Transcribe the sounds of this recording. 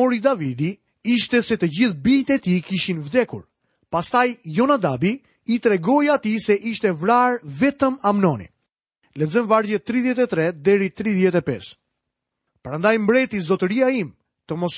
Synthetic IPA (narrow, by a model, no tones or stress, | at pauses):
ɔɾid̪avid̪i | iʃt̪ɛsɛt̪əd͡ʑiθbit̪ɛt̪ikiʃinvd̪ɛkṵɾ | past̪ajjɔnad̪abiː | t̪ɾɛɡɔjat̪isɛʔiʃt̪ɛvɾaɾvɛt̪əmamnɔnḭ | lɛzɔnvaɾðjɛt̪ːɾiðjɛt̪̬ɛt̪ɾɛd̪ɛɾit̪ɾiðjɛt̪ɛpɛ̰s | pəɾand̪ajmbɾɛt̪izɔt̪əɾiaim | t̪əmɔs